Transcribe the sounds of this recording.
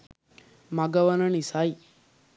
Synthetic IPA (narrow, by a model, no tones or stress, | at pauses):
mɐɡɐʋɐnɐnisaj